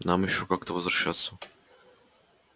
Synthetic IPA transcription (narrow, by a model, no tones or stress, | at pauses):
namjɪɕːokakt̪əvəzvɾɐɕːat̪sːə